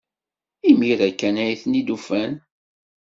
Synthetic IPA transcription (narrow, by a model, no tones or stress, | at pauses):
imiɾækːænæjθnid̪ufæn